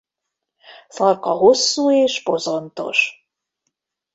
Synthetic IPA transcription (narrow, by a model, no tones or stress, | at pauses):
fɒrkɒɦo̞sːuːeːʃbo̞zo̞nt̪o̞̰ʃ